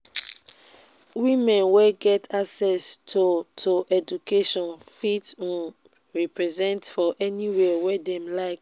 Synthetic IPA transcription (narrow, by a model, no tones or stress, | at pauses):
wĩmɛ̃nwɛɡɛtʰaksɛstʰotʰoʔɛd͡ʒukeʃɔ̃nfitũ | ɹɛpɹɛzɛ̃ntfɔʔɛniwɛwɛdɛ̃mlaɪk